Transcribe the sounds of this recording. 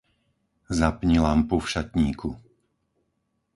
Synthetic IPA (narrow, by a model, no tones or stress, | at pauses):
zapɲilampufʃat̪ɲiːkʰu